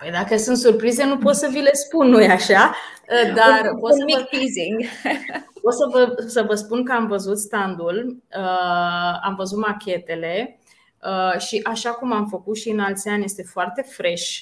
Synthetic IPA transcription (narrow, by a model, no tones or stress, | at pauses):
pəjd̪akəəsɨnt̪surpɾize̞nupo̞t̪səvile̞spunːojaʃa | əd̪arpomik̪iziŋɡ | pot̪səvəsəvəspunkəamvəzut̪st̪and̪ulə | amvəzut̪makʲe̞t̪e̞le̞ | əʃiʔaʃakumamfəkut̪ʃiɨnalt̪sʲianje̞st̪e̞foart̪e̞fɾe̞ʃ